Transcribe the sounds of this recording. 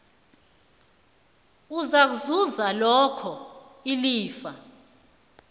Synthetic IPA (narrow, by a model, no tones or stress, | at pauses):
uzak̬uzuzalɔkʰɔ | iliːfa